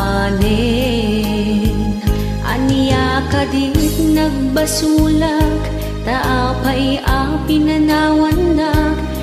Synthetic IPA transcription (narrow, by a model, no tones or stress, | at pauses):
nɛ | ʔa̰nijakɐd̪inɐɡ̚bɐsuːlɐk | t̪ɐʔapɐjʔapinɐnaːwɐnːɐk